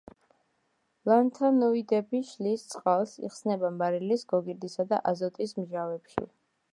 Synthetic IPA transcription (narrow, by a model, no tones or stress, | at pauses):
lant̪ʰanɔid̪ɛbiʃlist̪sʼqʼalˠsḭχsnɛbamaɾilisɡɔɡiɾd̪isad̪a̰ʔazɔt̪ʼismʒavɛpʃḭ